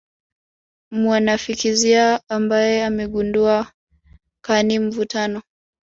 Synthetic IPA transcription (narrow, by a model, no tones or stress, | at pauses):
mwanafikiziaːmbajɛamɛɠundua | kanim̩vutanɔ